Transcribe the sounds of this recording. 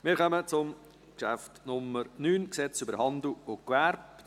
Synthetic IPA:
mɪːɾχœmət͡sʊm | kʃæftnʊmːəɾnyːnksɛt͡sybəɾhɑndluʊkʋɛɾp

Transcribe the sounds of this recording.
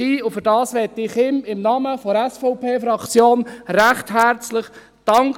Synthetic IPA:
iːʊfʏɾd̥ɑːsʋɛt̪ːɪχɪmɪmnɑməfɔɾɛsfɔʊpʰeːfɾɑkt͡sjoːnɾæχtɦæɾt͡slɪχ | d̥ɑŋk

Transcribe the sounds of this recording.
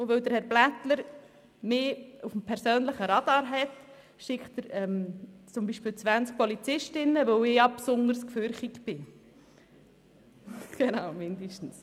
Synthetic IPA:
oʋøwd̪əɾhɛɾblætləɾ | mɪːufm̩pʰɛɾsøːnləχəɾɑd̪ɑːɾɦɛt | ʃɪkχtəɾɛmt͡sʊmbiːʃpiːlt͡sʋænsk̚pɔlit͡sɪʃtɪnːəʋowɪːjɑpsʊnəɾskføɾχiɡ̥b̥ɪ | ɡ̥enɑʊmɪnd̪əʃtn̩s

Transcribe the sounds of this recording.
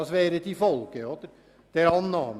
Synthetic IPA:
ɑsʋeːɾət̪ʰɪfɔlkəhot̪əɾ | d̪̥æɾɑnːɑːm

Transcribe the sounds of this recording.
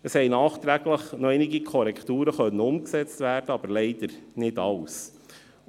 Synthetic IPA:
əshɛɪnɑːχt̪ɾæɡləχnɔɛɪnɪɡikʰɔɾɛkʰt̪uːɾəχœnːəʊmksɛt͡stvæːɾdəɑb̥əɾlɛɪd̥̪əɾnɪdɑws

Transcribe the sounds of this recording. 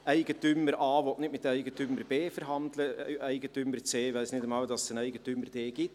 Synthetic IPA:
æɪɡətyməɾɑːʋɔtnɪtmɪtːæɪɡətyməɾb̥eːfəɾɦɑndləæɪɡətyməɾt͡seːʋæɪsnɪdəmɑːld̥ɑssənæɪɡətyməɾd̥eːɡɪt

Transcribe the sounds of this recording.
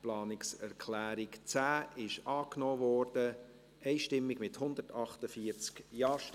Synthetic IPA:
plɑːnɪksɛɾkʰlæːɾɪkt͡sæːɪʃʔɑːknoːvɔːrd̥ə | ɛɪʃtɪmːɪɡmɪthʊnd̪ətɑχtəfiːəɾt͡skjɑːʃ

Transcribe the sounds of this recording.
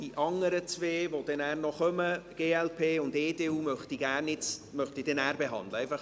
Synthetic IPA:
d̥iʔɑŋəɾət͡sveːvod̥ɛnæːrnɔχœməɡ̥eːɛlpʰeːʊndeːdeːuːmœχtiɡæːrnɪt͡smœχtidɛnæːɾbeɦɑ̰nd̪ləɛɪfɑχ

